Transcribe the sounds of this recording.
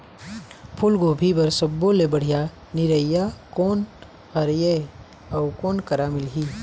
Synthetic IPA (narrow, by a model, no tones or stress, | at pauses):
pʰʊlɡoːbʱibɐɾsɐbːolebəɽ̤ija | nɪɾəɪjakoːn | hɐɾje | ɐʊkɔːnkɐɾamɪlɦiː